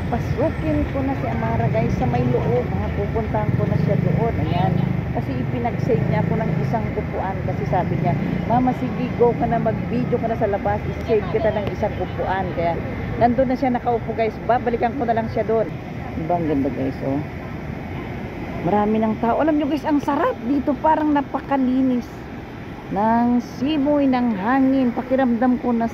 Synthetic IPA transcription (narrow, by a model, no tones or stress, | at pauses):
kɐpɐsuːkɪnko̞nɐsɪʔɐmaɾɐɡajsːɐmɐjloʔob̚ŋɐpupʊnt̪ahɐŋko̞nɐʃad̪oʔo̞nʔɐŋjankɐsɛʔɪpɪnɐɡsɛjd̪̚ɲaʔɐko̞nɐŋʔɪsaŋkʊpʊʔankɐsɛsaːbɪɲamɐmɐsɪɡiɡokɐnɐmɐɡ̚bid͡ʒjokɐnasɐlɐbasʔɪssɛjd̪̚kɪt̪anɐŋʔɪsaŋkʊpʊʔankɐjaʔ | nɐnd̪onːɐsjanɐkɐʔʊpʊkajsbabɐlɪkɐŋkonɐlɐŋsjad̪oʔon | d̪ɪbaɐŋɡɐnd̪aɡa̰jso | mɐɾaːmɪnɐŋt̪aːʔoʔɐlamɲoɡɐsɐŋsɐɾap̚d̪iːt̪o̞paːɾɐŋnɐpɐkɐliːnɪs | nɐŋsimojnɐŋɦaːŋɪnpɐkɪɾɐmd̪amko̞nɐ